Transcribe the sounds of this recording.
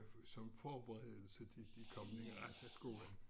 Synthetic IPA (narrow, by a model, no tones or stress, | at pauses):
sɒ̽mfɒːb̥eʁɛð̰ˠl̩səd̥id̥ikʰɒ̽mənəʁad̥æsɡ̥o̝̰ːlɐ